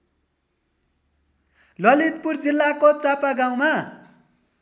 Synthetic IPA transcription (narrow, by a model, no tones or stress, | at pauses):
lʌlit̪̚purd͡zilːakot͡sapaɡaw̃ma